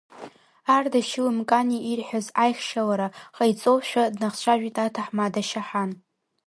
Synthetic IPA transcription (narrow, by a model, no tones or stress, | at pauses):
ardaʃɪlɨmkʼaniʔirħʷᶣazajχʲʃalaɾaχajt͡sʼoʃᶣadnaχt͡ɕʷʰaʒᶣitʼatʰaħmadaʃaħan